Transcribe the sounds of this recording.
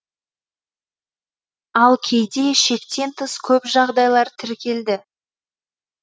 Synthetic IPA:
ɑlˠkʲʰe̞jd̪e̞ʃe̞kt̪e̞nt̪ʰəskʲʰɵpʒɑʁd̪ɑjlˠɑɾt̪ʰɪɾkʲe̞ld̪ɪ

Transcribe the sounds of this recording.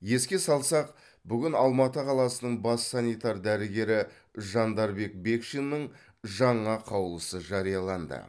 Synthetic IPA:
je̞skʲe̞sɑlˠsɑq̚ | bʏɡʲɪnɑlˠmɑt̪əqʰɑlˠɑsənəɴbɑsːɑnʲijt̪ɑɾd̪æɾɪɡʲe̞ɾɪ | ʒɑnd̪ɑɾbe̞k̚be̞kʃenːəɴ | ʒɑɴɑqʰɑwlˠəsəʒɑɾijɑlˠɑnd̪ə̰

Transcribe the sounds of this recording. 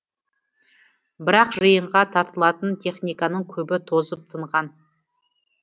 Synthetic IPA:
bɪɾɑqʒəjəɴʁɑt̪ʰɑɾt̪əlˠɑt̪ənt̪ʲʰe̞χnijkɑnəɴkʲʰɵbɪt̪ʰo̞zəp̚t̪ʰəɴʁɑn

